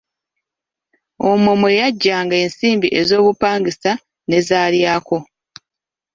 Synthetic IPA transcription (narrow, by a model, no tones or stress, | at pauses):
omomojaɟːaːŋɡae̞ːnsiːmbiʔe̞zo̞ːβupaːŋɡisa | ne̞zaːljaːko̞